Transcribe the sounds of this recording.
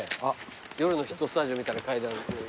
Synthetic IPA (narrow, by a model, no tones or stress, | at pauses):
jo̞ɾɯ̟no̞çi̥t̪ːosɨ̥t̪aʑiomit̪aɾakaid̪ã